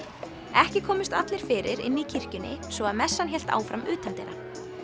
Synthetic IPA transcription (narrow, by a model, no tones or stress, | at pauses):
ɛhcɪkʰɔːmɪst̪at̪lɪɾ̥fɪːɾɪɾɪ̰nːicʰir̥cʏnːɪ̰svɔaðmɛsːançɛl̥t̪a̰ːwfɾamʏ̰ːt̪ʰant̪ɪnɾa̰